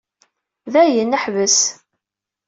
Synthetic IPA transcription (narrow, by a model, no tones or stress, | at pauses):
ðæjənːəħvəs